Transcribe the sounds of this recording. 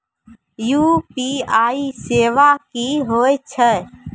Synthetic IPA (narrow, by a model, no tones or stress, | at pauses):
juːpiaːiseːʋakiɦoːjt͡ʃʰə